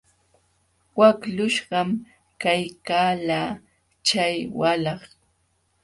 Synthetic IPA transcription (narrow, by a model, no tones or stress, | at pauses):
waklʊʃɢɑm | kajkaːlaː | t͡ʃajwalɑχ